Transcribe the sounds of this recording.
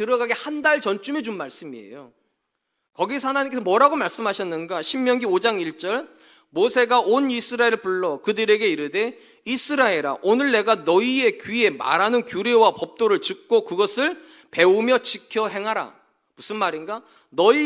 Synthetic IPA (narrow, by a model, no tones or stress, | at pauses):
tɯɾʌɡaɡehandaɭt͡ɕʌnt͡ɕ͈umed͡ʑunmaɭs͈ɯmiḛjo | kʌɡisʰʌhanaɲimkes̬ʰʌmwʌɾaɡomaɭs͈ɯmɦaɕʰʌnːɯnɡaɕʰimːjʌŋɡiod͡ʑaŋiɭt͡ɕ͈ʌɭ | mosʰe̞ɡaʔonisʰɯɾaeɾɯɭpuɭːʌkɯdɯɾe̞ɡe̞iɾɯde̞ | isʰɯɾaeɾa̰ʔonɯɭne̞ɡanʌie̞kɥie̞ma̰ɾanɯnkjuɾe̞wapʌp̚t͈oɾɯɭt͡ɕɯk̚k͈okɯɡʌsʰɯɭ | pe̞umjʌt͡ɕikʰjʌɦe̞ŋɦaɾa̰ | musʰɯnmaɾinɡa | nʌi